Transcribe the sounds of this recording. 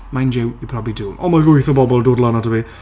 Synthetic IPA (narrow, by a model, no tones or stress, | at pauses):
majnd͡ʒɪwipʰrɔbiduːlɔ̰maɡʊjθɔbɔbɔlˠdoːdlˠanadəwi